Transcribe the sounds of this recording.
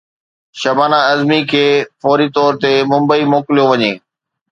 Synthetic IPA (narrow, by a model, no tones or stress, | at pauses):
ʃɐbaːnaɐzmikʰeːfɔːɾit̪ɔːɾt̪emʊ̃mbəimoːkɪlijoʋɐɲeː